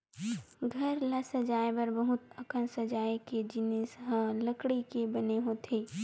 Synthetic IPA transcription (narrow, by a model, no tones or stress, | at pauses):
ɡʱɐɾləsəd͡ʒaːebɐɾbɐɦʊt̪əkənsɐd͡ʒaːeked͡ʒɪnesɦə̃ləkɽikebɐneɦot̪ʰeː